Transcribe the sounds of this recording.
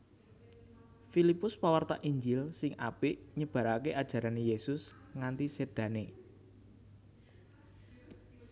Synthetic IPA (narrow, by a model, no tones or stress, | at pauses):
filipʊspawart̪aʔiɲd͡ʒɪlsɪŋʔapɪʔɲəb̥a̤ɾakeʔad̥ʒ̥ä̤ɾanejesʊs | ŋant̪ised̪̥ä̤ne